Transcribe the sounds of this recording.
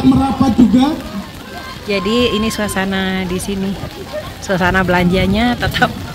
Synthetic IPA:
məɾapat̪̚d͡ʒuɡa | d͡ʒadiːnisuasanadisini | suasanabəlaɲd͡ʒaɲat̪ət̪ʰap̚

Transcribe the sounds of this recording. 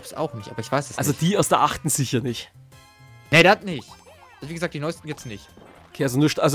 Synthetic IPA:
psa̰ʊxnɪçtʔa̰ːbɐɪçv̥aɪsɛsʔalzod̥iːaʊsɛɐʔaχtn̩z̥ɪçjanɪçt | nedatnɪçt | ʔʔalzoviɡəzaːk̚d̥inɔʏstn̩jɪt͡snɪçtʔokʰeːazonuɐʃtʔalz

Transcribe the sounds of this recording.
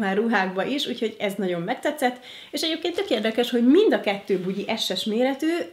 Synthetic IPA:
maːruɦaːɡbɒʔiʃuːcho̞ɟɛznɒɟo̞mːɛk̚t̪ɛt̪sːɛt̪ː | eːʃɛɟeːpkeːnt̪økeːrd̪ɛkɛʃho̞ɟmind̪ɒkɛt̪ːøːbuɟiʔɛʃːɛʃmeːɾɛt̪øː

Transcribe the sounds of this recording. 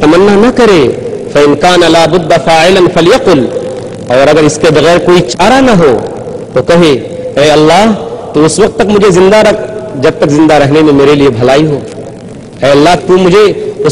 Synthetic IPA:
t̪ɐmɐnːanɐkɐɾeː | fɐɪnkaːnɐlaːbʊd̪ːafaːʕɪlɐnfɐljɐqʊl | ɔːɾɐɡəɾɪskebɐɣɛːɾkoːit͡ʃaːɾanɐɦoː | t̪okɐɦe | ɛːɐlːaːɦt̪uʊswɐq̚t̪ːɐkmʊd͡ʒʱezɪ̃nd̪aɾɐkʰd͡ʒɐb̚t̪ɐkzɪ̃nd̪aɾɐɦnemẽmeːɾeliebʱɐlaːiɦoː | ɛːɐlːaːt̪umʊd͡ʒʱeʊ

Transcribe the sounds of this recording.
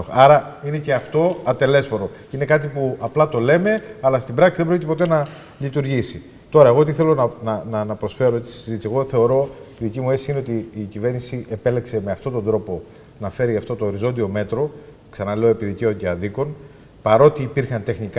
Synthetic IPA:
ɐɾɐine̞ce̞ɐft̪o̞ɐt̪e̞le̞sfo̞ɾo̞ | ine̞kɐt̪ipuɐplɐt̪o̞le̞me̞ɐlɐst̪ibɾɐksiðebɾocit̪epo̞t̪e̞nɐ | lit̪uɾʝisi | t̪o̞ɾɐe̞ɣo̞t̪iθe̞lo̞nɐnɐnɐnɐpɾo̞sfe̞ɾoe̞t͡sissizit̪isie̞ɣo̞θe̞o̞ɾo̞iðicimuesiine̞o̞t̪iːcive̞ɾnisiʔe̞pe̞le̞kse̞me̞ɐft̪o̞t̪o̞nd̪ɾo̞po̞ | nɐfe̞ɾiɐft̪o̞t̪o̞ːɾizo̞nd̪io̞me̞t̪ɾo̞ | ksɐnɐle̞oepiðice̞o̞ceɐðiko̞n | pɐɾo̞t̪iːpiɾxɐnt̪e̞xnik

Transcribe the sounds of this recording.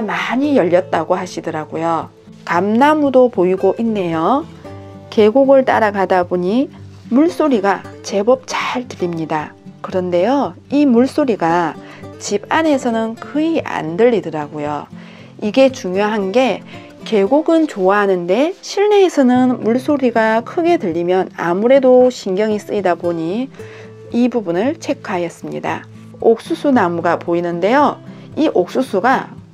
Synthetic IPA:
amaɲijʌʎːʌt̚t͈aɡoɦaɕʰidɯɾaɡojo | kamnamudopoiɡoʔinːe̞jo | ke̞ɡuɡɯɭt͈a̰ɾaɡadabuɲimuɭs͈oɾiɡat͡ɕe̞bʌp̚t͡ɕaɭtɯɾimɲida | kɯɾʌnde̞jo | imuɭs͈oɾiɡa | t͡ɕibane̞sʰʌnɯnkʰɯiʔa̰ndɯʎːidɯɾaɡojo̰ | iɡe̞t͡ɕuŋjoɦanɡe̞ | ke̞ɡuɡɯnt͡ɕoaɦanɯnde̞ɕʰiɭne̞ːsʰʌnɯnmuɭs͈oɾiɡakʰɯɡe̞dɯʎːimjʌna̰muɾe̞doɕʰinɡjʌŋis͈ɯidaboɲi | ibubunɯɭt͡ɕʰe̞kʰajʌs͈ɯmɲḭda̰ | ok̚s͈us͈ʰunamuɡapoinɯnde̞jo | iʔok̚s͈usʰuɡa

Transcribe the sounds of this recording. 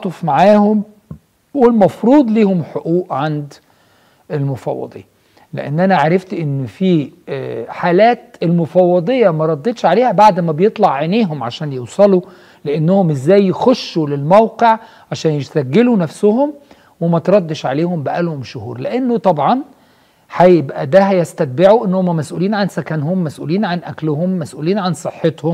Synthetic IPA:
t̪ˤofmaʕaːhom | welmɑfɾuːd̪ˤliːhomħoʔuːʔʕand̪ | ʔelmʊfɑ̰wːɑ̰d̪ˤḛjːɑ | lḛʔenːʔænæʕaɾˤɑft̪ʔenːfi | ħaːlæːt̪elmʊfɑwːɑd̪ˤejːɑmæɾˤɑd̪ːet̪ʃʕaleːhæbaʕd̪mæbejet̪ˤlɑʕʕeneːɦomʕaʃæːnjewsˤɑlu | leʔenːohomʔezːæːjːexoʃːulelmæwqeʕ | ʕaʃæːnjeʃt̪æɡːelunæfsʊɦom | wemæt̪ɾˤɑd̪ːeʃʕa̰leːhombæʔælhomʃʊhṵːɾleʔenːot̪ˤɑbʕɑn | ħæjebʔæd̪æɦæjæst̪æt̪̚beʕuʔenːhomːæmæsʔṵːliːnʕansækænhomːæsʔṵːliːnʕanʔæklʊhomːæsʔṵːliːnʕansˤɨħːet̪hom

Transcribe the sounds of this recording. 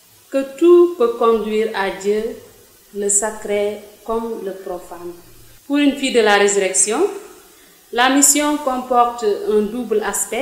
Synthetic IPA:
kətupəkɔ̃ndɥiːɾaɟə | ləsakɾekɔmləpɾofanpuɾynfidəlaɾezyɾɛksjɔ̃ | lamisjɔ̃kɔ̃mpɔɾtɛ̃dublaspɛ

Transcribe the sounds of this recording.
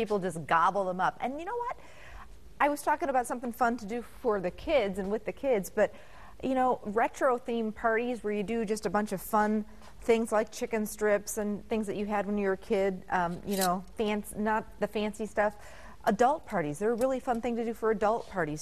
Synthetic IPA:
pipl̩ˠd͡ʒʌs̬ɡ̥ɑbl̩ˠðə̃mʌpɨ̰̃njɨñoʊwʌt̚ | ʔaɪwʌz̥tʰɔkɪ̃ŋəbaʊtsʌ̃mθɪ̃ŋfʌ̃ntʰɨdɨfə˞ðɨkʰɪdzɨ̃nwɨðɨkʰɪdzb̥ʌt̚ | jʔɨñoʊɹɛt͡ʃɹ̥oʊθĩmpʰɑɹɾizwə˞jɨdɨd͡ʒʌstɨbʌ̃nt͡ʃʌv̥fʌ̃n | θɪ̃ŋzlaɪk̚t͡ʃʰɪkɨ̃nstɹ̥ɪpsɨ̃nθɪ̃ŋzðɨt͡ʃɨɨd̚wə̃njə˞kʰɪd̚ʌ̃mjɨñoʊfæ̃nsnət̪̚ðɨfæ̃nsistʌf | ʔədʌlˠt̚pʰɑɹɾizðə˞ɹɪlˠifʌ̃nθɪ̃ŋtɨdɨfə˞ɨdʌlˠt̚pʰɑɹɾiz̥

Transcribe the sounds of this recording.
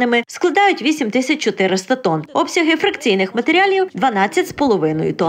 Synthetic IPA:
nɪmɪsklˠɐd̪ɑjʊtʲʋʲisʲimt̪ɪsʲɐt͡ʃʲt͡ʃɔt̪ɪɾɪst̪ɐt̪ɔnɔpsʲɐɦɪfɾɐkt͡sʲijnɪxmɐt̪eɾʲɑlʲiwd̪ʋɐnɑt͡sʲːɐtʲspɔlˠɔʋɪnɔ̰jʊ̰t̪ɔ

